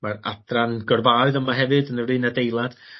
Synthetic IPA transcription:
mara̰dranɡɔrvaɨðəmaɦɛvɨdənərɨːnadejlˠad̥

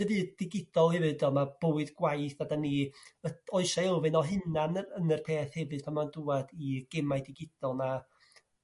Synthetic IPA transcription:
əvɨːdɪɡɪd̥ɔlˠhɛvɨdɔmab̥oːɨdɡwajθadaniəɔɨʃaɛlˠvɨnɔɦɨnanəənərpʰeːθhɛvɨd̥̚pʰamanduadiɡ̥ɛmajdɪɡɪd̥ɔlˠna

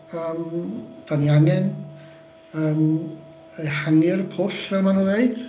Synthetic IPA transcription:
əːmd̥anjaŋɛn | əːm | əhaŋɪrpʰʊsɛmanuːðeɨd̥

